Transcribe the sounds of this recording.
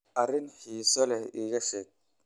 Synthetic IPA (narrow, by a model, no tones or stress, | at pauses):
ʔɐrɪnħiːsɔlɛhiːɣɐʃɛːɡ̚